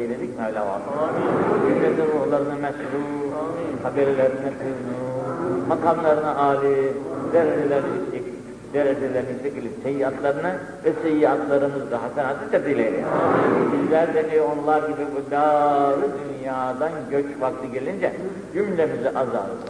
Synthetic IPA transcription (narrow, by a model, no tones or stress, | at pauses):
elʲed̪icmɛjlʲava̰t̪olˠaɾymlʲɛd̪ɛbuolˠaɾɯnamɛʃɾu | habɛɾlʲeɾinɛkʰɯznumakanlˠaɾɯnaʔaːlʲɯd̪eɾed͡ʒelʲeɾnii | d̪eɾed͡ʒelʲeɾinisʰecilʲimsejiat̪lˠaɾɯnɯ | vɛsejiat̪ʰlˠaɾɯmɯzd̪aɦasɛnat̪ʰɯt͡ʃʰad̪ilʲejlʲḛjbizlʲæɾd̪eniɾionulˠaɾɟibibulaːɾɯd̪ynjaːd̪anɟøt͡ʃfaklˠɯɟe̞lʲind͡ʒɛ | ɟymlʲemiziʔaza̰ɾɯ